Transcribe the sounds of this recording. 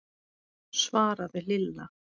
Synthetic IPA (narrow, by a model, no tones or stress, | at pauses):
svaːɾaðɪlɪlːa